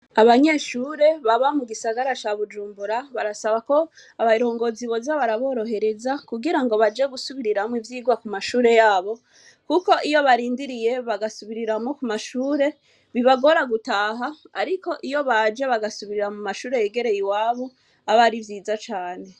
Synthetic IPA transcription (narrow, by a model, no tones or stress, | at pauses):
aβaɲe̞ːʃuːɾe̞βaβamuɡisaɡaɾat͡ʃaβud͡ʒuːmbuɾaβaɾasaβako̞ | aβaiɾo̞ːŋɡo̞ziβo̞zaβaɾaβo̞ːɾo̞ɦe̞ɾe̞zakuɡiɾaŋɡo̞βad͡ʒe̞ɡusuβiɾiɾamwivjiːɡwakumaʃuːɾe̞jaːβo̞ | kuko̞ʔijo̞βaɾiːndiɾije̞βaɡasuβiɾiɾamŋokumaʃuːɾe̞ | βiβaɡo̞ɾaɡutaːɦaaɾiko̞ʔijo̞βad͡ʒe̞βaɡasuβiɾiɾamumaʃuːɾe̞jeɡe̞ɾe̞jiwaːβo̞ | aβaɾivjiːzat͡ʃaːne̞